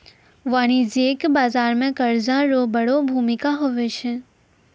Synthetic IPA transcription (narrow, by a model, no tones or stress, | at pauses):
ʋaːɽ̃izeːkbaːzaːɾmẽkɐɾzãɾobɐɽobʱuːmɪkaɦoʋet͡ʃʰe